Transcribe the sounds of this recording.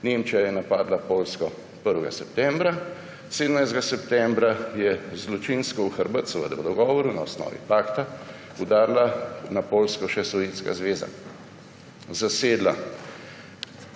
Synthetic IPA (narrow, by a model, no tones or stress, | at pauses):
nemt͡ʃijajɛnapaːd̪lapoːlskɔ | pəɾʋɛɡa̰sɛpt̪ɛmbɾa | seːd̪əmnajzd̪ɡasɛpt̪ɛmbɾajɛzlɔt͡ʃinskɔuxəɾbət̪sɛʋə̰d̪ɛwd̪ɔɡɔːʋɔɾunaɔsnɔ̰ːʋḭpaːkt̪a | ud̪aːɾlanapoːlskɔʃɛsɔʋeːnska̰zʋeːza̰ | zaseːd̪la